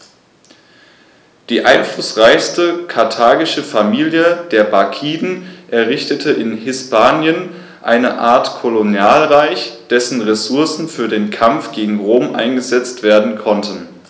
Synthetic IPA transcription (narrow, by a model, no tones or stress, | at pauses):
d̥iːʔa̰ɪnflʊsʁaɪçstəkʰaɐtʰaːɡɪʃəfamiːljəd̥eːɐbakʰiːdn̩ʔɛɐʁɪçtətʰəʔɪnɦɪspʰaːnjən | ʔa̰ɪnəʔaːɐtkʰolonjaːlʁaɪçd̥ɛsn̩ʁesʊɐsn̩fyːɐdeːnkʰamfɡ̥eːɡŋ̩ʁoːmʔa̰ɪnɡəzɛt͡stv̥eːɐdn̩kʰɔntʰən̩